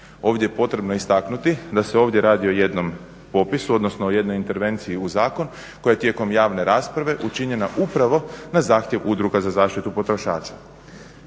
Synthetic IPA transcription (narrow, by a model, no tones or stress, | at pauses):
o̞ːʋd̪jejepo̞t̪ɾe̞bnoist̪aknut̪id̪ase̞o̞ːʋd̪je̞ɾaːd̪ioje̞d̪no̞m | po̞pisuo̞d̪no̞snooje̞d̪no̞jint̪e̞ɾʋe̞nt̪sijiuzaːko̞n | ko̞jajt̪je̞ko̞mjaːʋne̞ɾaːspɾaʋe̞ʔut͡ʃiɲe̞naʔupɾaʋo̞nazaːxt̪je̞ʋud̪ɾuɡazazaːʃt̪it̪upo̞t̪ɾo̞ʃaːt͡ʃḁ